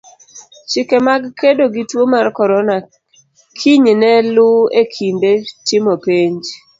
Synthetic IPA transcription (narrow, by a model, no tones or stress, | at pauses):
t͡ʃɪkemaɡkedoɡitwomarkɔɾɔna | kʰiɲnɛlʊekʰindetɪmopeɲd͡ʒ